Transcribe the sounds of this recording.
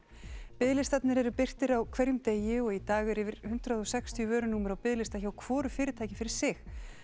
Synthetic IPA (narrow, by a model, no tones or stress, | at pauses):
pɪðlɪst̪at̪nɪɾɛɾʏpɪr̥t̪ɪɾawkʰv̥ɛɾjʏmt̪eːjɪɔɣit̪aːɣɛɾɪvɪɾ̥hʏn̥t̪ɾaðɔsɛkst̪ʰijœvœːɾʏnuːmʏɾawpɪðlɪst̪açawkʰv̥ɔːɾʏfɪːɾɪt̪ʰaːjcɪfɪɾɪɾ̥sɪx